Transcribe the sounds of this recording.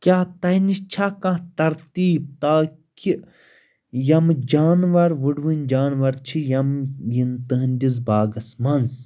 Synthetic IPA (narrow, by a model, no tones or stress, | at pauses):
kʲaːt̪ɐnist͡ʃʰaːkãt̪ɐɾt̪iːb̚t̪aːki | jɐmd͡ʒaːnʋɐɾʋɨɖʋɨnʲd͡ʒaːnʋɐɾt͡ʃʰijɐmjint̪ɨɦɨnʲd̪ʲizbaːɡɐsmɐnz